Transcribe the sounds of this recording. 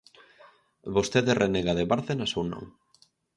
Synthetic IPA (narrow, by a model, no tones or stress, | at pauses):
βost̪eðerʔeneɣaðeβaɾðenasownõ̰ŋ